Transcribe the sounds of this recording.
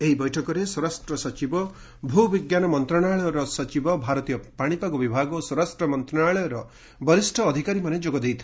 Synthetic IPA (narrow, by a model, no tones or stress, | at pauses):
eɦibɔjʈʰɔkɔɾeswɔɾasʈɾɔsɔt͡ʃibɔ | bʱubiɡjanɔmɔnt̪ɾɔɽ̃aɭɔjɔɾɔsɔt͡ʃibɔbʱaɾɔt̪ijɔpaɽ̃ipakubibʱaɡɔswɔɾasʈɾɔmɔnt̪ɾɔɽnaɭɔjɔɾɔ | bɔɾisʈʰɔːd̪ʱikaɾimaned͡ʒoɡɔd̪ejt̪ʰi